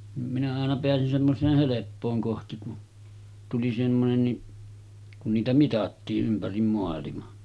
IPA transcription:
nim minæ ɑˑenɑ ɑenɑ peæsin semːosˑeːh helepːoːŋ kohti ku tuli semːonenːi kun niːtæ mitɑtːiːʔ ʔympærim moɑlimɑ

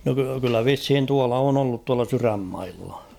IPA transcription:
no ky kylːæ ʋishin tuɑlɑ on olːut tuɑlɑ syræmːɑilːɑ

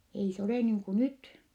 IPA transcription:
ei se oleˑ niːŋ ku nyt

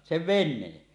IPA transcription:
seʋ ʋenˑeːn

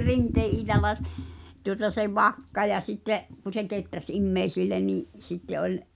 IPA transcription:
rinteː ʔiːtɑlːɑ s tuŏtɑ se ʋɑkːɑ jɑ sitːeʔ ku se ketræs imːeisilːe niˑʔ sitːe olʲ

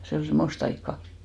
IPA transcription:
se ol semˑost ɑikːɑ

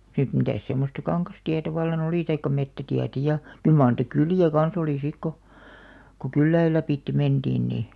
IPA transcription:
sit mitæˑs semːostɑ kɑŋkɑstiætæ ʋɑlːɑn oliˑ tɑikːɑ metːætiætæ jɑ kyl mɑːr niˑtæ kyliˑæ kɑn̞s oliˑ sik ko ko kylːæil læpiˑtːe mend̥iːn niˑ

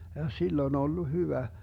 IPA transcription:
jɑ silː on olːu hyʋæ

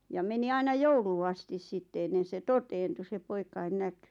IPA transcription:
jɑ meni ɑinɑ jouluː ɑstis sitːe enːen̞ se toteːntu se poikɑin næky

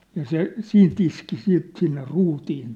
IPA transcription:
jɑ se siːnt iski siːt sinːe ruːtiːn

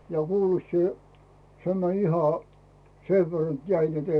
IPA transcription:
jɑ kuːlet sie se mænʲ ihɑ seʋ ʋer net jæi net ei

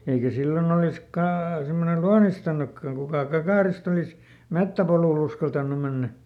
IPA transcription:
eikæ silːon olis kɑː semːone luɑnistɑnukːɑŋ kukɑˑ kɑkɑˑrist olis metːæpoluˑl uskɑltɑnːu menːæ

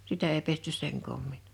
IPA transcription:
sitæ ei pestys seŋ koˑmːin

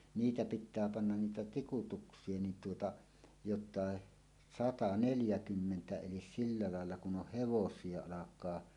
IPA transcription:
niːtæ pitˑæː pɑnːɑn niːtæ tikutuksˑie nin tuotɑ jotˑɑˑe sɑtɑ neljækymːentæ elis silːɑ lɑˑelːɑ kun oh heʋosˑie ɑlɑkˑɑː

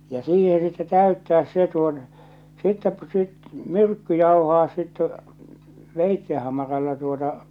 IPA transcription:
jɑ siːhe sitːe tæytːæːs se tuot sitːɛ sit myrkːy jɑuhɑː sitːe ʋeitːe hɑmɑrɑlːɑ tuotɑ

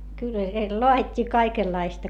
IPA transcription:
kylːæ siel loɑitʲːiː kɑikelːɑistɑ

